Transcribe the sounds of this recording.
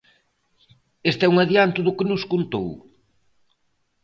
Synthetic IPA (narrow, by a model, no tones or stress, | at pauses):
est̪ɛuŋaðjant̪ʊðʊkɪnʊskont̪o̰w